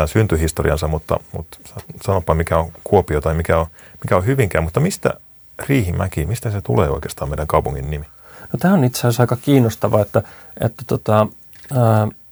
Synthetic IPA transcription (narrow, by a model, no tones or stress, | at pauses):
æːnsynt̪yhist̪oriɑ̰nsɑmut̪ːɑ̰mṵt̪sɑsɑnopːɑmikæoŋkuopiot̪ɑimikæo | mikæohyʋiŋkæːmut̪ːɑmist̪æ̰ | riːhimækimist̪æset̪ṵleːoikeːst̪ɑːmeiɾæŋkɑupuŋːinːimi | not̪æːonit̪sesɑikɑkiːnːost̪ɑʋɑet̪ːæ | ḛt̪ːæ̥t̪ot̪ɑ